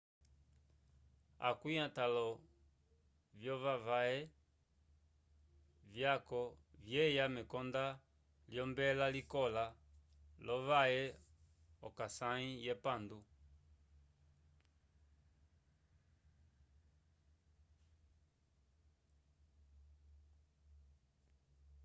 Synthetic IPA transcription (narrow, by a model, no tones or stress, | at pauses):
a̰kwiãtalɔ | vjɔvavaɛ | vjakɔvjɛjamɛkɔnda | ljɔmbɛlalikɔla | lɔvaɛ | ɔkasãĩjɛpandu